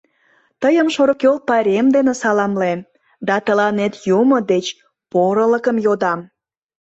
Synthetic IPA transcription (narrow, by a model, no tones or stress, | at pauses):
t̪əjəmʃoɾokol̚pɑɾʲemd̪enesɑlɑmlem | d̪ɑt̪əlɑnet̪jumod̪et͡ɕ | poɾələkəmjod̪ɑm